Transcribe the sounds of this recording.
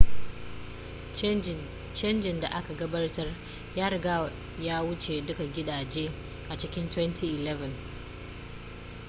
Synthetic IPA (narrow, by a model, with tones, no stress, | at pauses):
t͡ʃɐ˦nd͡ʒɪ˨nda˨ʔa˦ka˨ɡɐ˦bɐ˦rtɐ˦r | jaː˦ɾɪ˨ɡa˦˨ | jaː˦wʊ˦t͡ʃe˨dʊ˦ka˨ɡʲɪ˦ɗaː˨d͡ʒeː˦ | ʔa˨t͡ʃɪ˦kʲɪ˦ntwɛ˦ntʰiː˦˨ʔɪ˨lɛ˦vɐ˨n